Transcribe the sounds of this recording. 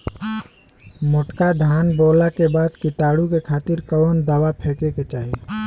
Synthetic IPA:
mʊʈkad̪ʱaːnboːlakebaːd̪kɪt̪aːɽukekʰaːt̪ɪɾkɔːnd̪əwapʰeːkeket͡ʃaːɦi

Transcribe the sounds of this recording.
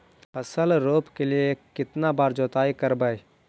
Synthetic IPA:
ɐsəlɾoːpkeliekɪt̪nabaːɾd͡ʒoːt̪aːikəɾbəj

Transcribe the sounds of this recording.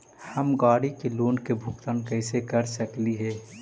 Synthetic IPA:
həmɡaːɽikeloːnkebʱʊkt̪ənkəɪsekəɾsəkliɦɛː

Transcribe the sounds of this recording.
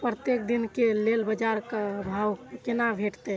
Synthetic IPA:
pɾət̪jek̚d̪inkelelbəd͡ʒaɾkabʱaːwkɪnabʱeʈt̪e

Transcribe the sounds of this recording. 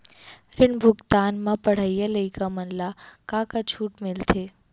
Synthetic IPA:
ɾɪɳbʱʊɡt̪anmãpəɽ̤ajaləikamənlakãkat͡ʃʰuːʈmɪlt̪ʰe

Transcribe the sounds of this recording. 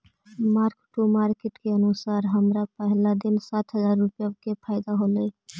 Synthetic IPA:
maɾkʈumaɾkeʈkeənusaɾɦəmɾapəɦlad̪insat̪ʰɦəzaɾːupjakepʰaɪd̪aɦolɛ

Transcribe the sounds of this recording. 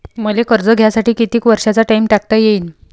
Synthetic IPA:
məlekəɾd͡zəɡʱjasaʈiːkit̪iːkʋəɾʂat͡saʈaimʈak̚t̪ajeiːn

